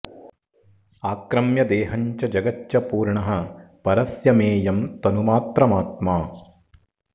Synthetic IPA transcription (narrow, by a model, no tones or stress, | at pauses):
aːkɾɐmjɐd̪eːɦɐɲt͡ʃɐd͡ʒɐɡɐtːjɐpuːɾɳɐɦɐ̆pɐɾɐsjɐmeːjɐmt̪ɐnumaːt̪ɾɐmaːt̪maː